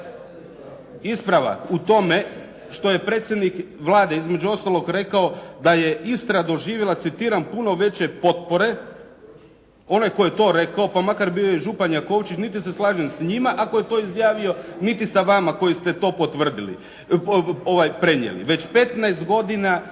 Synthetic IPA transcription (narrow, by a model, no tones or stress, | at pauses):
ispɾaʋa̰kut̪o̞me̞ | ʃt̪o̞je̞pɾet̪sʲje̞d̪nikʋlˠaːd̪e̞izme̞d͡ʑuo̞st̪alˠo̞ɡɾe̞kaod̪aje̞ist̪ɾad̪o̞ʒiːʋjelˠat̪sit̪iːɾampuno̞ʋe̞t͡ɕe̞po̞t̪̚po̞ɾe̞ | o̞najko̞jet̪o̞ːɾe̞kaopamakaɾbio̞jeʒupanjako̞wt͡ʃit͡ɕnit̪̬iseslˠaːʒensɲimaʔako̞jet̪o̞izjaːʋio̞nit̪isaʋamako̞jist̪e̞t̪o̞ːpot̪ʋr̩d̪ilḭ | oʋajpɾe̞ɲjḛlḭʋe̞t͡ɕpe̞t̪najst̪ɡo̞d̪ina